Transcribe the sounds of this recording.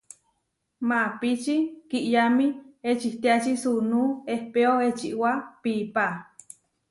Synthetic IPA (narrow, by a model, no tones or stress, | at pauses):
mãpit͡ʃikiʔjamĩet͡ʃiht̪eat͡ʃisunuehpeoet͡ʃiʔwapipa